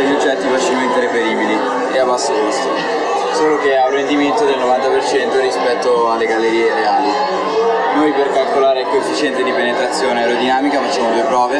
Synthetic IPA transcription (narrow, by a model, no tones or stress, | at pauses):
eʎːod͡ʒːɛt̪ːifat͡ʃilment̪eɾepeɾiːbili | eabːasːed͡ʒust̪i | soːlok̟eawrend̪iment̪od̪elnovant̪apert͡ʃɛnt̪oɾispɛt̪ːoalːeɡalːeɾiːeɾeaːli | nojperkalkolaːɾeɛkːoefːit͡ʃɛnt̪ed̪ipenet̪ɾat̪sːjoːneeɾod̪inaːmikamet͡ʃinod̪opɾɔːvja